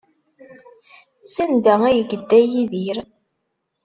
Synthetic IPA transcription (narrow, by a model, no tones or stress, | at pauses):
sænd̪ææjəɡəd̪ːæjiðiɾ